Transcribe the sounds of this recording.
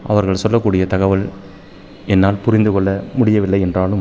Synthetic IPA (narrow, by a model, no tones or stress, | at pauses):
ʔɐʋɐɾɣɐɭsɔlːɐkːuːɽɪjɐt̪ɐɣɐʋɐl | ɛnːaːlpʊɾɪnd̪ɯkɔɭːɐmʊɽɪjɐʋɪlːɐɪɛndraːlɯm